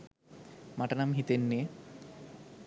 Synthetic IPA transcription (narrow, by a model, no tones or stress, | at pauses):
maʈɐnamɦit̪enːe